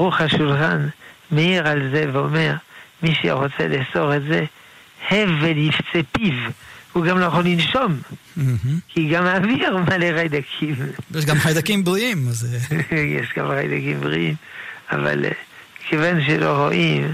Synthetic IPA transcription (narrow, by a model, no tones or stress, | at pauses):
ʁuχaʃulχanmeiʁalzeveomeʁmiʃḛʁot͡sḛlehso̞ʁetze | hevelift͡sepivuɡamlojeχolinʃom̩ | h̩kiɡamaːviʁmaleχajd̪akʰimjeʃ̬ɡamχajd̪akimbʁiimazjḛʃɡa̰mχa̰jd̪akimbʁḭḭma̰va̰lkʰevanʃ̬eloʁo̰ʔim